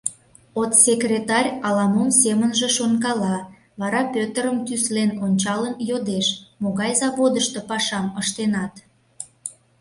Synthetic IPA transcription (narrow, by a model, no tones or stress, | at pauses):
ot̪sʲekrʲet̪ɑrʲɑlɑmomsemənʒĕʃonkɑlɑ | βɑɾɑpʲøt̪əɾəmt̪yslenonʲt͡ɕɑlənjod̪eʃmoɣɑjzɑβod̪əʃt̪opɑʃɑməʃt̪enɑt̪